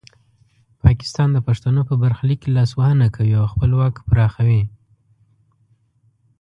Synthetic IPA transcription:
pʰɑkɪ̥st̪ɑnd̪əpaʂt̪anopəbaɾxliklɑswahənakʰawiawxpəlwɑkpɾɑxawi

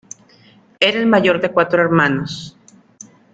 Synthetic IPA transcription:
eɾaelmaʝoɾðekwat̪ɾoeɾmanos

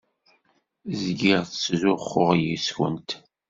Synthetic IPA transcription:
zɡiʁθt͡szʊχːʊʁjiswə̰nt̪

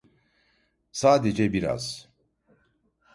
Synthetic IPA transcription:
saːd̪ed͡ʒɛbiɾa̰z̥

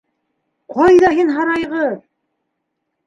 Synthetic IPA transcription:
qʰɑjðɑɦinɦɑɾɑjʁɤð

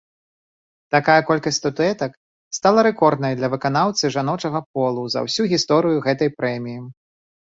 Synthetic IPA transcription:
t̪akajɐkɔlʲkɐsʲt̪ʲt̪ut̪uɛt̪ɐk | st̪alˠɐɾɛkɔrd̪nɐjd̪lʲɐvɨkanawt̪sɨʐanɔt͡ʂɐɣɐp̚ɔlˠuzɐ̰wsʲuɣʲist̪ɔɾɨjuɣɛt̪ɐjpɾɛmʲiji

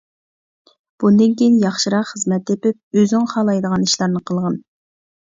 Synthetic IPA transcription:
b̥und̪ɪnkʲejinjɑχʃiɾɑqχəzmɛt̪ːepɪp̚øznɪŋχɑːlˠɑjd̪əʁɑniʃlˠɑɾnɨqʰəlˠʁɑn

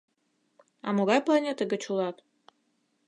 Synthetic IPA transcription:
ɑmoɣɑjplˠɑnʲet̪əɡət͡ɕulˠɑt̪

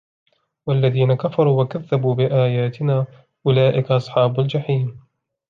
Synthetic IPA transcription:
walːaðiːnakafɑɾˤuːwakaðːabuːbɪʔaːjaːt̪ɪnaː | ʔʊlaːʔɪkaʔɑsˤħɑːbʊld͡ʒaħiːm

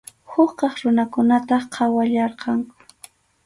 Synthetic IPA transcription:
hʊχqɑχɾʊnakʊnat̪ɑχqʰɑwaʎɑɾqɑŋ

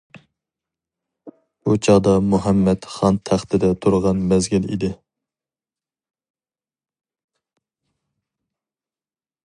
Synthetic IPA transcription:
ut͡ʃʰɑd̪ɑmuɦɛmːɛt̪χɑnt̪ʰæχt̪ʰɪd̪ɛt̪ʰuɾʁɑnmɛzɡʲɪlḭd̪ɪ

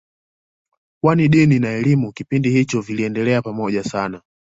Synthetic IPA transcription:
kwaniɗininaɛlimukipindihit͡ʃɔviliɛndɛlɛapamɔʄasana

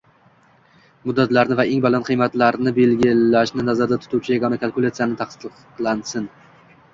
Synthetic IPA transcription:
mʊd̪ːat̪laɾnɪvaeŋbalanqʰɨjmat̪laɾnɪbe̞lɡʲɪlaʃnɪnazaɾd̪at̪ʰʊ̥t̪ʰuwt͡ʃʰɪjaɡɒnakʰalˠkʊlʲˠat̪sɨjanɪt̪ʰaχsɨqqlˠansɪn

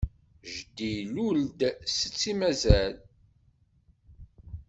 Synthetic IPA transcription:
ʒd̪iluld̪sət͡sːimæzæl

